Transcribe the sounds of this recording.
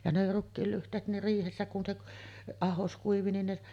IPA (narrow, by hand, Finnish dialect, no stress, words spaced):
jɑ ne rukːiːl lyhtˑeːt ne riːhesːæ kun se k ɑhos kuiʋi nin ne